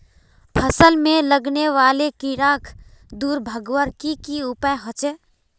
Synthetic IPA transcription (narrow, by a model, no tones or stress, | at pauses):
pʰəsəlmẽləɡneʋaːlekiɾaːkʰd̪uːɾbʱəɡwəɾkikiʊpəjɦɔt͡ʃe